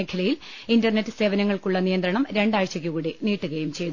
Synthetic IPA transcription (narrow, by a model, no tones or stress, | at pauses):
ekʰːɐlɐjil | indɐrnetːɨse̞ːʋɐnɐŋːɐɭkuɭːɐnijɐnd̪ɾɐɳɐmɾe̞ɳɖaːɻɕɐk̬ʲːuɣuːɽiniːʈːuɣɐjumt͡ɕe̞jðu